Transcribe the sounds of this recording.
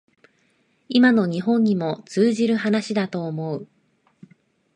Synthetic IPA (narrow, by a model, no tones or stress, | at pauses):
imano̞ɲ̟iɦõ̞ɲ̟ːimo̞t͡sɨːʑiɾɯ̟ɦanaɕid̪at̪o̞ːmo̞ɯ